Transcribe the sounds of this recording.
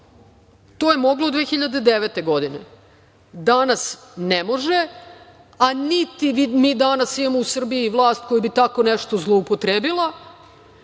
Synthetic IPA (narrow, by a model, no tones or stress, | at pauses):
t̪oːjemoɡlod̪ʋeːxiʎad̪ed̪eʋet̪e̞ɡo̞d̪inḛ | d̪anas | nemo̞ʒe | anit̪iimiːd̪anasiamousr̩biiːʋlˠaːst̪̚kojubit̪ako̞nɛʃt̪ozlˠoupot̪ɾeːbilˠa